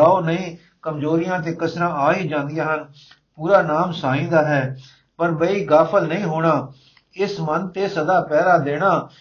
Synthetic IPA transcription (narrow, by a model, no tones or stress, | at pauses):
aːoːnəĩː | kəmzoːɾɪjãːt̪̬eːkəsɾãːaːɦiːd͡ʒãːnd̪ɪjãːɦən | puːɾaːnaːmsaːĩːd̪aːɦɛː | pəɾbəiːɡaːpʰəlnəĩːɦoːɽ̃aː | ɪsmənt̪eːsəd̪aːpɛːd̪aːd̪eːɽ̃aː